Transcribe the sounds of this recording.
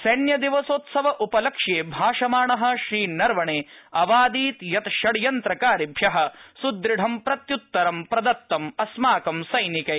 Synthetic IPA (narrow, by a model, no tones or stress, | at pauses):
sɐnjɐd̪iʋɐsoːt̪sɐʋɐʔupɐlɐkʂeːbʱaːʂɐmaːɳɐɦɐ̆ʃɾiːnɐɾʋɐɳeːɐʋaːd̪iːt̪jɐt̪ʃɐɽjɐnt̪ɾɐkaːɾibʱjɐɦɐ̆sud̪ɾiɖʱɐmpɾɐt̪jut̪ːɐɾɐmpɾɐd̪ɐt̪ːɐmɐsmaːkɐmsɐjnikɐ